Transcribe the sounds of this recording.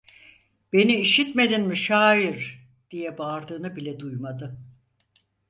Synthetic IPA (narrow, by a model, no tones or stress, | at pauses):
b̥e̞niːʃit̪me̞d̪inmiʃaːjiɾ | d̪̥ijɛbaɾd̪ɯːnɯbilʲɛd̪ujmad̪ɯ